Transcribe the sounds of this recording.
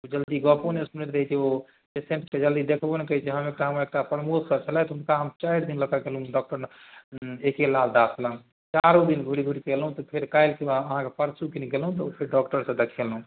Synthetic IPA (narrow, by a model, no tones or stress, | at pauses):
ud͡ʒəld̪iɡɔponeusmnet̪ɾəɦit̪ʰio | pesẽɳʈked͡ʒəld̪id̪ekʰbonekəɦit͡ʃeɦəmek̚ʈaɦəməɾek̚ʈapɾmuksət͡ʃʰəlaɛt̪ɔɦunkaɦəmt͡ʃajɾd̪inləkaɡelɦũɖɔk̚ʈəɾ | ekelald̪aslə | t͡ʃaɾud̪inɡʱuɽiɡʱuɽikelɦũt̪ɔpʰeɾkajlkebaəɦãkepəɾsukiniɡelɦũt̪̬ɔpʰeɾɖɔkʈəɾsə̃d̪ekʰelɦũ